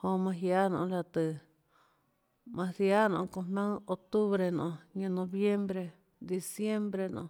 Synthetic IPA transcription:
hõ˧mã˧ɦja˦nõ̰˧˦la˧t̪ɨ˧˨ | mã˧ðja˦nõ˧˨˧kõ˧mã˦o˧t̪u˦βɾe˧nõ̰˧ɲã˧nõ˧βje˦mbɾe˧ | d̪i˧sje˦mbɾe˧nõ̰˧

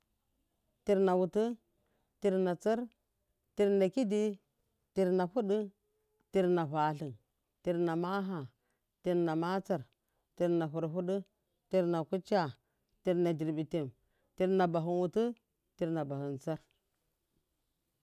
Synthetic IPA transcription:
ti˨˦ɾna˨wu˨tu˦ | ti˦ɾna˨t͡sə˦ɾ | ti˦ɾna˨ki˦di˦ | ti˨ɾna˨ɸu˦ɗi˦ | ti˦ɾna˨ɸa˨ɬi˨n | ti˨ɾna˨ma˦ɦa˨ | ti˨ɾna˨ma˦t͡sa˦˨ɾ | ti˨ɾna˨ɦu˨ɾɦu˦ɗu˦ | ti˦ɾna˨ku˦t͡ʃa˦˨ | ti˦ɾna˨di˨ɾbi˨te˨m | ti˦ɾna˨ba˨ɦu˨nwu˨tu˦ | ti˨ɾna˨ba˨hu˨nt͡sa˦ɾ

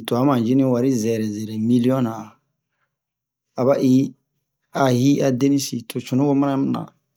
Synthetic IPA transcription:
to˨a˨˦mã˨d͡ʒi˦nĩ˦wa˨ɾi˦zɛ˨ɾɛ˨zɛ˨ɾɛ˨mi˦li˦ɔ̃˦na˨ | a˨ba˦ʔi˦ | a˨ɦi˦a˨de˦ni˦si˨tʰo˨t͡ʃu˨nu˦ɡo˦ma˦na˦m˨na̰˨

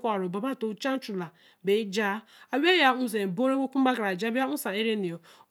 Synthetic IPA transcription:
kʷɔ˨ɾo˨ba˨ba˦˨to˨˦t͡ʃa˦n˦t͡ʃu˨la˨ | be˨˦d͡ʒa˦ | a˨we˦ja˦u˦ze˨bo˦ɾe˦wo˦ku˦ba˦kɾa˨d͡ʒa˦ba˦u˦sã˨e˦ɾe˦ni˨o˨

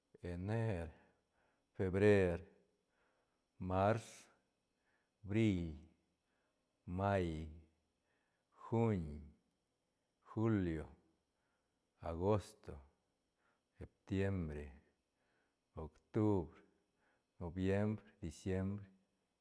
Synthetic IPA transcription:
e˨ne˦ɾ | fe˧bɾe˦ɾ | ma˦ɾs | bɾi˦˨l | ma˦j | xu˦ɲ | xu˦ljo˨ | a˨ɡo˦st̪o˨ | se˨p̚t̪je˦mbɾe˨ | o˨kt̪u˦bɾe | no˨bje˦mbɾe˨d̪i˨sje˦mbɾe˦

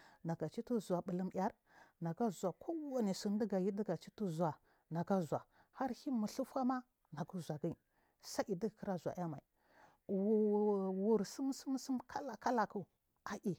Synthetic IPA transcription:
na˨ɡa˨t͡ʃi˦tu˦za˨ɓə˨lə˦mja˦ɾ | na˨ɡa˦zʷa˨kʰo˦wa˦ni˨sə˨n˦də˦ɡa˨ji˦di˦ɡa˨t͡ʃi˦tu˦zu˨a˨ | na˨ɡa˦zu˨a˨ | ha˦ɾhi˦mu˨ɬu˦fa˦ma˦ | na˨ɡu˦zʷa˨ɡi˦˨ | sa˦ʔi˨di˦˨kə˦ɾa˦zʷa̰˨ja˦ma˨i˨ | wu˨wu˨ɾsə˦msə˦m˦sə˦mkʰa˦la˨ka˦la˨ku˨ | a˨ʔi˨

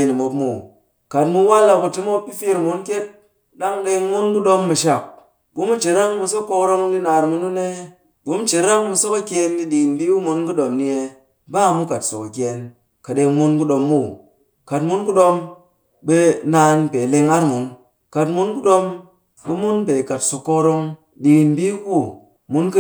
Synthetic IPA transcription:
ni˨mo˧pmu˨ | ka˨tmu˧˦wa˦la˧ku˧ti˦mo˦pːi˦fi˧ɾmu˦nkʲe˦t̚ | ɗa˦ŋɗe˧ŋmu˦nku˦ɗo˦mːu˧ʃa˨k̚ | bu˨˦mu˦t͡ʃe˨ɾa˦ŋmu˧s̬o˦kːo˧kɾo˦mu˦ndi˦naː˧ɾmu˧nu˦ne˦ | ɡu˦m˦t͡ʃe˨ɾa˦ŋmu˧so˦ka˦kʲe˧ndi˧ɗi˨kn˨bi˦wu˦mu˧˦nku˦ɗo˧mni˧e˧ | ba˦˨mu˦ka˨tso˨ka˨kʲe˨n | ka˨ɗe˧ŋmu˧nku˦ɗo˧mːu˦˨ | ka˨tmu˦nku˦ɗo˧m | be˧naː˧npe˨le˧ŋa˦ɾmu˨˦n | ka˨tmu˦nku˦ɗo˧m | bu˦mu˦npe˨ka˨tsu˧˨kːo˧ɾo˧ŋ | di˨nbi˦ku˦ | mu˦nk

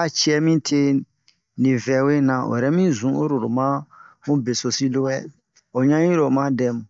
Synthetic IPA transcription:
a˦t͡ʃi˦ɛ˦mĩ˦tʰe˦ | nĩ˨vɛ˨we˦nã˨o̰˨ɛ˨ɾɛ˦mĩ˦zũ˨˦o˦ɾo˨ɾo˨mã˦mũ˦be˨so˨si˦lo˦wɛ˦ | o˨ɲã˦ɲĩ˦ɾo˨mã˦dɛ˦m˨

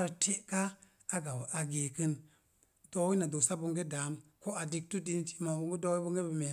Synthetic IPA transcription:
ɾtʰe˦ka˦ | a˦ɡa˨wʔa˨ɡe˨kɨ˦n | d̥o˦wi˦na˨do˨sa˦bu˧ŋɡe˦da˨˦mko˦a˨di˨k̚tu˦di˧nt͡ʃi̥˦ma˨bu˦ŋɡu˦do˦wi˦bu˦ŋɡe˦bi˨me˨

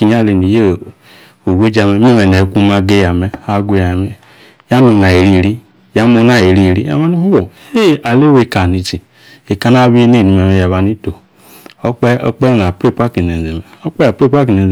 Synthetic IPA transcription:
i˨ɲ˦a˦˨le˨ni˨je˦˨ | o˨we˦d͡ʒa˧me˨me˦me˨nɛ˨ku˦ma˧ɡe˦ja˨mɛ˨a˦ɡʷe˦a˨me˨ | ja˦nu˧na˨e˨ɾi˦˨ɾi˦ | ja˦mo˧˦na˦˨e˨ɾi˦˨ɾi˦a̰˨ma˦nu˦hu˦wo˨˦e˦˨a˨le˦we˧˨ka˨ni˧t͡ʃi˨ | e˨ka˨˦na˦bi˦e˦ne˦˨i˧˨me˨me˨ja˨βa˨ni˦to˨ | o˦k͡pɛ˦ɔ̰˦k͡pɛ˦na˨pɾe˦˨pa˦ki˨ne˨n˨ze˨me˨o˦k͡pɛ˦a˨pɾe˦pa˦ki˨ne˨

